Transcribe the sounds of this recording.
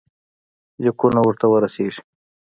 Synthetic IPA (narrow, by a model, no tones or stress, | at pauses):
zikunawʊɾt̪awəɾaseʐ̥